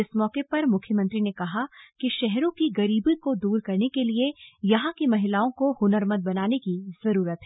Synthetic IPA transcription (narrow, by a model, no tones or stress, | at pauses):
ɪsmɔːkepɐɾmʊkʰjəmɐ̃nt̪ɾinekɐɦakiʃɛɦɾõkiɡɐɾiːbikod̪uːɾkɐɾnekeliejɐɦãkimɐɦɪlaːõkohʊnəɾməd̪̚bɐnaːnekiz̥ɐɾuːɾət̪ɦɛː